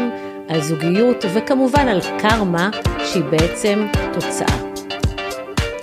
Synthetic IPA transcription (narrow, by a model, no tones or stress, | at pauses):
m | ʔalzuɡijutve̞kamuvanalkʰaʁmaʃeibeet͡se̞mto̞t͡sa̰ʔa̰